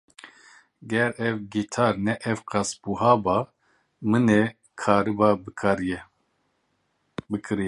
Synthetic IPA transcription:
ɡɛɾɛvɡit̪ʰɑːɾnɛʔɛvqɑsbuɦɑːbɑ | mɨne | kʰɑːɾɨbɑbɾɛ | bɨkʰɨɾjɛ

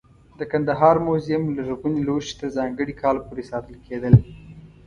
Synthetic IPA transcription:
d̪əkand̪aɦɑɾmozijɪmlaɾɣuniloʃt̪əzɑŋɡəɽikʰɑlpoɾesɑt̪əlkʰed̪əl

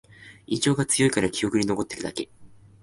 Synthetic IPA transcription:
id͡ʑo̞ːɡat͡sɨjo̞ikaɾakʲijo̞kɯ̟ɲ̟ino̞ko̞t̪ːe̥kɯ̟d̪a̰ke̞

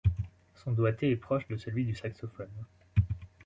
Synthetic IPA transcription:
sɔ̃d̪wat̪eɛpχɔʃd̪əsəlɥid̪ysaksɔfɔn

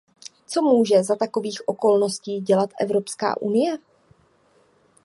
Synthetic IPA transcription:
t͡so̞muːʒɛzat̪ako̞viːxʔo̞ko̞lno̞sciːɟɛlat̪ʔɛ̰vɾo̞pska̰ːʔunɪjɛ

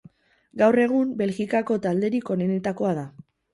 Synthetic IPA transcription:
ɡawre̞ɣ̞umbe̞lɣikako̞t̪ald̪e̞ɾiko̞ne̞ne̞t̪ako̞aða

